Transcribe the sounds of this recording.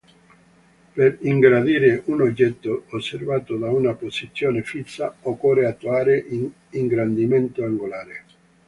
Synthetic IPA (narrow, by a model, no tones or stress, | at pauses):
peɾiŋɡɾad̪iːɾɪʔunod͡ʒːɛt̪ːoːsːervaːt̪od̪aunaposit̪sːjɔːnefisːaokːɔreat̪ːuaːɾɪʔ | iŋɡɾand̪imɛnt̪oaŋɡolaːɾɪ